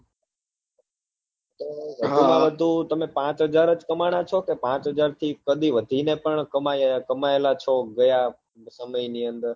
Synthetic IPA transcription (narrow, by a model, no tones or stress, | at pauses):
t̪oʋəd̪ʱumãʋəd̪ʱũt̪əmẽpãt͡ʃɦəd͡ʒaɾəd͡ʒkəmaɽ̃at͡ʃʰokepãt͡ʃɦəd͡ʒaɾt̪ʰikəd̪ʱiʋəd̪ʱinepəɳkəmakəmaelat͡ʃʰoɡəja | səməiniənd̪əɾ